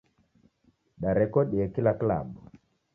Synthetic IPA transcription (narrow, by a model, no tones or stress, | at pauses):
ɗaɾɛkɔɗiɛkilakla̰ɓɔ